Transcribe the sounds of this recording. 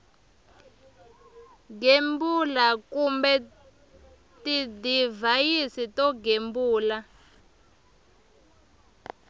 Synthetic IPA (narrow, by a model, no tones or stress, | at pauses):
ɡembulakumbɛ | tidivajisitɔɡembuːla